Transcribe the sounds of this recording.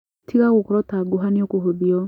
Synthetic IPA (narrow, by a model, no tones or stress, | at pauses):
tʰiɣaɣokɔɾɔtaɡoɦaniokoɦoðiɔ